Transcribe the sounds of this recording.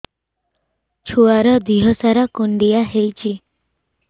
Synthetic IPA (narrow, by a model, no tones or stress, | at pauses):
t͡ʃʰuaɾɔd̪iɦɔsaɾakoɳɖijaɦejt͡ɕʰi